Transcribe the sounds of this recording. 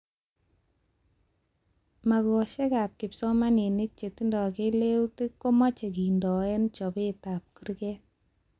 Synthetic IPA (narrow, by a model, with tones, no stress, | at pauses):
ma˨kɔ˨ʃɛ˦ka˨p̚kɪ˨psɔ˦ma˦ne˨ni˦k̚t͡ʃe˨ti˦ndɔ˨ke˦le˦wti˦kːo˦ma˦t͡ʃe˨ki˨ndɔ˨ɛ˦nt͡ʃɔ˨be˦ta˨p̚kɯ˦ɾkɛ˦